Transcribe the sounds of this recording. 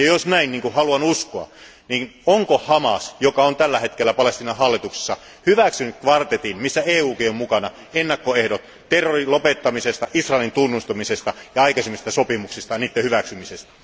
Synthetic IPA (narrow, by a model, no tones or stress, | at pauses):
jɑjosnæinniːŋkuhɑluɑnuskoɑ̰ | niːnoŋkohɑmɑ̰sjokɑont̪ælːæhet̪kelːæpɑlest̪iːnɑhɑlːit̪ukse̥sːɑ | hyʋæksynykkʋɑrt̪et̪inmisːæeːuːkiommukɑnɑ | enːɑkːoehɾot̪ | t̪erːorilopet̪ːɑmisest̪ɑʔisrɑˑelint̪unːust̪ɑmisest̪ɑjɑɑikɑsemːist̪æsopimuksist̪ɑniːt̪ːehyʋæksymisest̪æ̥